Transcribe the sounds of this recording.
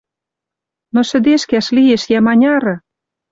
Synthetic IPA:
nosɘ̆d̪eʃkæʃlieʃjæmɑnʲɑɾɤ̆

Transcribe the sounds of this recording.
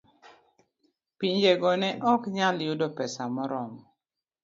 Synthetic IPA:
piɲd͡ʒeɡɔnɛʔɔkɲaljʊdɔpɛsamɔɾɔmɔ

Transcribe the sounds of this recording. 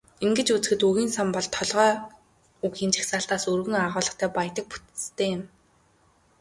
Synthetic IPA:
eŋɡɘ̆t͡ɕut͡s̆xɘ̆t̪uɣiːnsampɔɮt̪ʰːɔɮʁœː | ukxiːnt͡ɕʰḁxsaːɬt̪aːsurɣɘ̆ŋaʁʊːɮə̆χt̪ʰæːpajt̪ə̆k̚pu̥t̪t͡st̪ʰeːjɪ̆m

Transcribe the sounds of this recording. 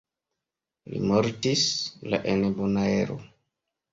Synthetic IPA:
lḭmoɾtisla̰ʔenebonaeɾo̰

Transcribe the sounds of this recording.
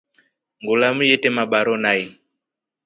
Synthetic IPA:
ŋɡulamujɛtɛmaɓaɾɔnai

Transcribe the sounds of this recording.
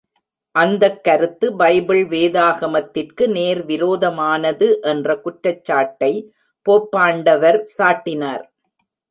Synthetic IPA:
ʔɐnd̪ɐkːɐɾɯt̪ːɯbɐɪbɪɭʋeːðaːɣɐmɐt̪ːɪrkɯneːɾʋɪɾoːðɐmaːnɐðɯʔɛndrɐkʊʈɾɐt͡ʃːaːʈːɐɪ | poːpːaːɳɖɐʋɐɾsaːʈːɪnaːɾ

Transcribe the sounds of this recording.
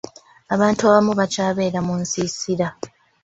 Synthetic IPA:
aβaːntuaβamuβacaːβe̞ːɾamunsisiɾa

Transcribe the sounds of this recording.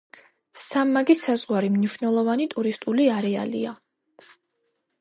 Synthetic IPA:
samːaɡisazʁwaɾimniʃnɛlˠɔvanit̪ʼuɾist̪ʼuliaɾɛa̰lḭa

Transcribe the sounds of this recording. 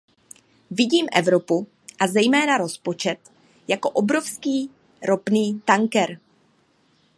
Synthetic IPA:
vɪɟiːmʔɛvɾo̞pu | ʔazɛjmɛːnaɾo̞spo̞t͡ʃɛt̪ | jako̞ʔo̞bɾo̞fskiː | ɾo̞pniːt̪aŋkɛɾ

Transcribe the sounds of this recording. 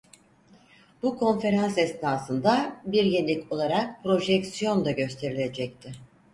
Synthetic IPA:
bukʰo̞nfe̞ɾansɛsnaːsɯnd̪abiɾjenlʲicʰo̞lˠaɾak̚pɾo̞ʒɛcsijo̞nd̪aɟø̞st̪ʰe̞ɾilʲe̞d͡ʒɛc̚t̪ʰɪ

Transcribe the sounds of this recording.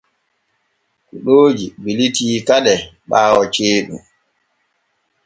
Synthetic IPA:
kuɗoːd͡ʒibilitiːkaɗɛɓaːwɔt͡ʃeːɗṵm

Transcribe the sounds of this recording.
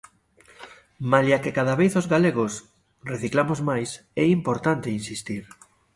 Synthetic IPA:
maljakekaðaβejθozɣaleɣos | reθiklamozmajs | ɛimpoɾt̪ant̪einsist̪iɾ

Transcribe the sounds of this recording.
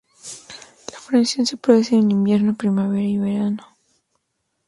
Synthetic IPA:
lafɾensjo̞nsepoβesenelĩmbje̞ɾnopɾimaβe̞ɾaiβeɾano

